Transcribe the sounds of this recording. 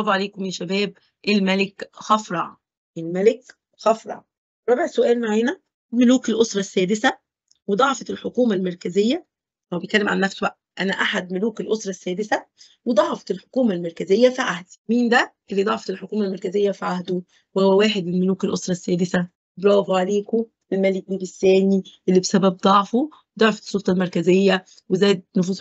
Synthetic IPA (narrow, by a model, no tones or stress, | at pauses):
bʕaleːkomjæʃæbæːb̚ | ʔelmælekxɑfɾˤɑʕ | ʔelmælek | xɑfɾˤɑ̰ʕ | ɾˤɑːbeʕsoʔæːlmaʕeːnæ | moluːkelʔosɾˤɑsːæːd̪esæ | wed̪ˤɑʕft̪elħokuːmælmɑɾˤkæzejːæ | ʔæwbejt̪kælːemʕa̰nːæfsbæʔ | ʔænæʔaħad̪moluːkelʔosɾˤɑsːæːd̪esæ | wed̪ˤɑʕft̪elħo̥kuːmælmɑɾˤkæzejːæfiʕahd̪miːnd̪æʔelːid̪ɑʕfet̪elħokuːmælmɑɾˤkæzejːæfiʕahd̪o | wehowːæwæːħed̪melmʊluːkelʔosɾˤɑsːæːd̪esæ | beɾˤɑːfoʕaleːko | ʔelmælek̪̚iːbesːæːniʔelːibesæbæb̚d̪ˤɑʕfo | d̪ˤoʕft̪e̥sˤːolt̪ˤɑlmɑɾˤkæzejːæ | wezæːjd̪̚nofuːz